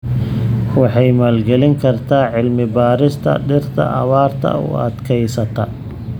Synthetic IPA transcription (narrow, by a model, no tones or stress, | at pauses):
wɑħɑjmaːlɡɛlɪŋkʰɐrt̪ʰaːʕɪlmɪbaːɾɪst̪ʰɐ̰ɖɪrt̪ʰɐ̰ʔɐ̰βaːrt̪ʰɐ̰ʊ̰ɐ̰d̪kʰɛjsɐt̪ʰɐ